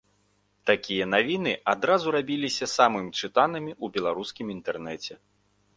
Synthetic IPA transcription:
t̪akʲijɐnavʲinɨad̪ɾazuɾabʲilʲisʲɐsamɨmʲt͡ʂɨt̪anɨmʲiubʲɛlˠaɾuskʲimint̪ɛrnɛt͡sʲɛ

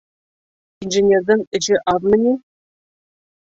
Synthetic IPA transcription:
inʒɘnʲerd̪ɤŋɘ̆ɕɘʔɑðmɘ̆nʲi

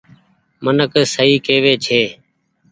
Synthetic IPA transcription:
mənəksəɦiːkeːʋeːt͡ʃʰeː

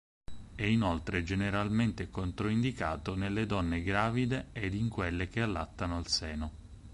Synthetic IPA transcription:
ɛinolt̪ɾed͡ʒeneɾalment̪ekont̪ɾoind̪ikaːt̪onelːed̪ɔnːeɡɾaːvid̪eːd̪iŋkwelːek̟ealːat̪ːanoalsɛːno

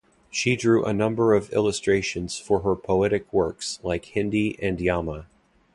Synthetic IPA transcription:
ʃidɹʉʔə̰nʌ̃mbə˞ʌvɪ̰lˠəstɹ̥eɪʃɨ̃nz̥fə˞ə˞pʰoʊɛɾɨkʰwɜ˞kslaɪkhɪ̃ndiʔɨ̃ndjɑmə

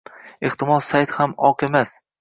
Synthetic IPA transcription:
ɪht̪ʰɪmɒsːajt̪hamɒqemas

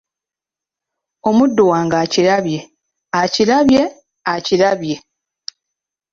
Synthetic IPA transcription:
o̞mudːowaːŋɡaːciɾaβje̞ | aciɾaβje̞ | aciɾaβje̞

